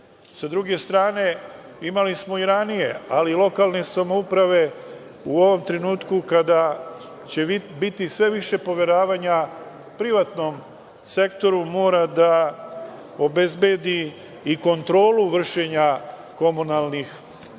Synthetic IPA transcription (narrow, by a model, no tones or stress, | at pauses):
sad̪ɾuɡe̞st̪ɾaːne̞imalismo̞iɾanije̞alilˠo̞kalˠne̞samoupɾaʋe̞ | uo̞ʋo̞mt̪ɾe̞nuːt̪kukad̪a | t͡ɕe̞bit̪isʋe̞ʋiʃe̞po̞ʋe̞ɾaːʋaɲa | pɾiʋat̪no̞m | se̞kt̪o̞ɾumo̞ːɾad̪a | o̞be̞zbe̞d̪iː | ko̞nt̪ɾo̞ːluʋr̩ʃe̞ɲa | ko̞munalˠnix